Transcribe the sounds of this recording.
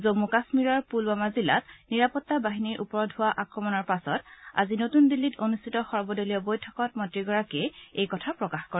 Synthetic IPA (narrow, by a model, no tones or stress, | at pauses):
zomukasmiɹɔɹpulbamazila̰tniɹapɔtːabaɦiniɹʔupɔɹɔdɦʊwaʔakɹɔmɔnɔɹpasɔta̰zinotundilːitonustʰitɔxɔɹbɔdolijɔbojtʰɔkɔt̚mɔntɹiɡɔɹakɛejkɔtʰapɹɔkaxkoɹɛ